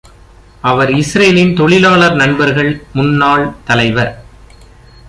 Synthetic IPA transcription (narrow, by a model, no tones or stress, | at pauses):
ʔɐʋɐɾɪsɾɐjlɪnt̪ɔɭɪlaːɭɐɾnɐɳbɐɾɣɐɭmʊnːaːɭt̪ɐlɐɪʋɐɾ